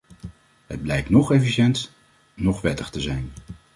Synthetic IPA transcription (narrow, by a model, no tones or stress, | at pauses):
ɦəd̚blɛjk̚tnɔχɛfiʃɛnt | nɔχʋɛtəχtəzɛjn